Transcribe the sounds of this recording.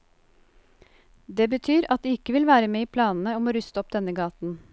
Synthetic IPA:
d̪eːbət̪ʰyːɾɑt̪̚d̪iːɪkəʋɪlʋæːɾəmeːiːpʰlɑːnn̩əoːmoːɾʉst̪ɔp̚d̪ɛnəɡɑːt̪n̩

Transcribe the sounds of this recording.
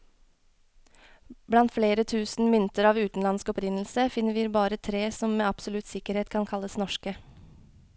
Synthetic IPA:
blɑnt̪fleːɾət̪ʰʉːsn̩ʋɪnt̪əɾɑːʋʉːt̪n̩lɑnskɔpɾɪnl̩səfɪnːəʋiːɾbɑːɾət̪ʰɾeːsɔmmeːɑpsʊlʉt̪sɪkəɾheːt̪kʰɑnkʰɑlːəsnɔʃkə

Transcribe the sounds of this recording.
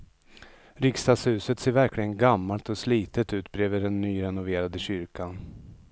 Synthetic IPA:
ɾɪkst̪ɑːd̪shʉ̟ːsət̪seːɾvæɾklɪɡənɡamːalt̪ɔsliːt̪ət̪ʉ̟ːt̪̚bɾeːvəɖɛnːyːɾɛnʊveːɾad̪əɕʏɾkan

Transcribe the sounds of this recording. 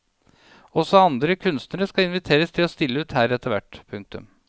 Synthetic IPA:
ɔsɔɑnd̪ɾəkʰʉnst̪nəɾəskɑɪnʋɪt̪ʰeːɾəst̪ʰɪlɔst̪ɪlːəʉːt̪hæːɾɛt̪ːəɾʋæ̰ʈːpʰʉŋk̚t̪ʉ̰m

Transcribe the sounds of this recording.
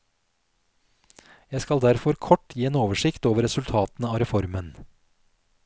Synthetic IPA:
jæɪskɑld̪æɾfɔɾkʰɔʈjiːeːnoːʋəʂɪkt̪oːʋəɾɛsʉlt̪ʰɑːt̪n̩əɑːɾɛfɔɾmən

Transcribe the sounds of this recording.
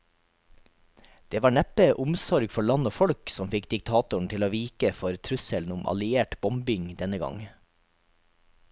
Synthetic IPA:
d̪̥eːʋɑːɳæpəʔʊmsɔɾɡfɔɭɑnoːfɔɽksɔmfɪkd̪ɪk̚t̪ʰɑːt̪ʊɳ̩t̪ɪloːʋiːkəfɔɾt̪ʰɾʉsəln̩ʊmʔɑ̰lɪeːʈbɔmbɪŋd̪ɛnəɡɑ̰ŋ

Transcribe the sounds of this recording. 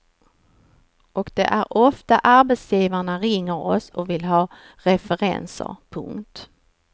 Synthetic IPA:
ʔɔkd̪̥ɛ̰ʔæɾɔft̪aʔaɾbɛt̪sjiːvaɳaɾɪŋːəɾɔ̰sɔkvɪlɦɑː | ɾɛfɛɾɛ̰nsə̰ɾpʰɵ̰ŋkt̪

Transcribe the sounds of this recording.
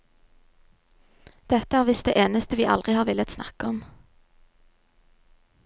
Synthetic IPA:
d̪̥ɛt̪əæːʁʋɪsd̪eːʔeːnəst̪əʋiːʔɑ̰ld̪ʁɪhɑːʁʋɪlət̪snɑ̰kəɔm

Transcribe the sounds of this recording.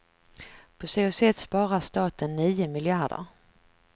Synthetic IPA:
pʰɔseːʊsɛt̪spɑːɾast̪ɑːt̪ənːiːʊmɪljaɖə̰ɾ

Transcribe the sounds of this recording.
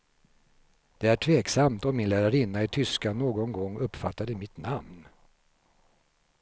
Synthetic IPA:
d̪̥ɛæʈʰveːksamt̪ɔmːɪnlæːɾaɾɪnːaɪt̪ʰʏskanoːɡɔnɡɔŋːɵpːfat̪ːad̪ɛmɪt̪namn

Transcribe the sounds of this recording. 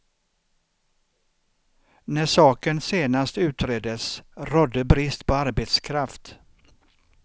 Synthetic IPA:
næʂɑːkənseːnast̪ʉ̟ːt̪ɾeːd̪əsɾɔd̪ːəbɾɪst̪pʰɔaɾbet̪skʰɾaft̪

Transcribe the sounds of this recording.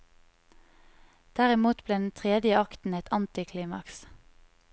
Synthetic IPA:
d̪̥æʁɪmuːt̪bleːd̪n̩t̪ʰʁeːd̪jəɑkt̪n̩ɛt̪ɑnt̪ɪkʰliːmɑ̰ks

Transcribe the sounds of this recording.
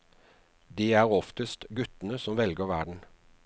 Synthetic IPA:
d̪iːæːʁɔft̪əst̪ɡʉt̪ənəsɔmʋɛlɡəʁʋæɖɳ̩

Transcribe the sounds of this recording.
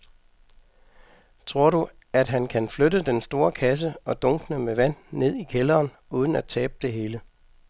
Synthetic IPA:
t͡sʰʁo̝ɐ̰ɾu | æd̥ɦænkʰænflødəd̥ensd̥o̝ːɐkʰæs̬əɒ̽d̥ɔ̽ŋɡ̥nəmeʋæn̰ːe̝ð̞̰ˠikʰelɐːn | uːðˠn̩æ̥t͡sʰɛ̰ːb̥̚d̥e̝ɦe̝ːlə

